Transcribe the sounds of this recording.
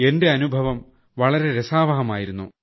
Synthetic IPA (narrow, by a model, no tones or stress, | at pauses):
e̞nde̞ɐnubʱɐʋɐm | ʋɐɭɐɾe̞ɾesaːʋɐɦɐmaːjiɾunːṵ